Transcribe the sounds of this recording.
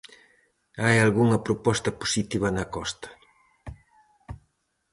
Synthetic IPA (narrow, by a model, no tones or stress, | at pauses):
ajalɣuŋɐpɾopɔst̪ɐpo̥sit̪iβɐnɐkɔst̪ɐ̥